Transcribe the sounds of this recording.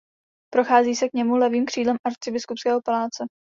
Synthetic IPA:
pɾo̞xaːziːsɛkɲɛmulɛviːmkr̝̥iːdlɛmʔaɾt͡sɪbɪskupskɛːɦo̞palaːt͡sɛ

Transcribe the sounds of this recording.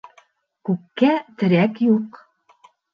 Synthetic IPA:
kʉkːæt̪ɘ̆ɾækjuq

